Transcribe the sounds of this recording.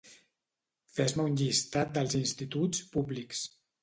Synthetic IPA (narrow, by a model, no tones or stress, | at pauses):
fɛzməunʲʎist̪at̪̚d̪əlˠzinst̪it̪ut͡spubliks